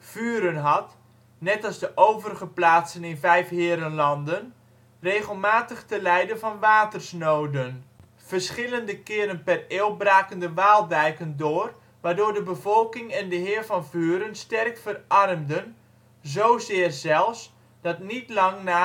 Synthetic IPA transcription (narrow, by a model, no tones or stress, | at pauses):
v̥yːɾənɦɑt | nɛtɑlˠzdəʔowvərəχəplaːtsənɪnvɛjfɦɪːɾənlɑndən | reːχəlˠmaːtəχtəlɛjdənvɑnʋaːtərsnowdən | v̥ərsχɪləndəkɪːɾənpɛreːwbraːkəndəʋaːlˠdɛjkəndʊːr | ʋaːrdʊːrdəbəvɔlˠkɪŋɛndəɦɪːrvɑnvyːɾənstɛrkfərʔɑrmdən | zowzɪːərzɛlˠfs | d̥ɑtnitlɑŋnaː